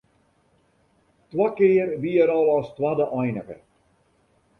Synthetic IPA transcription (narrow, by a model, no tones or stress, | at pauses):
twakɪːərʋiəɾɔlˠɔstwadəʔɔjnəɣə̰